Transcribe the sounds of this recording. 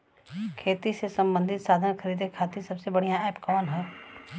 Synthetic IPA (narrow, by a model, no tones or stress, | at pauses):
kʰeːt̪isesɐ̃mbə̃nd̪ʱɪt̪saːd̪ʱənkʰəɾiːd̪ekʰaːt̪isɐbsebɐɽ̤ijãɛːpkɔːnɦɛː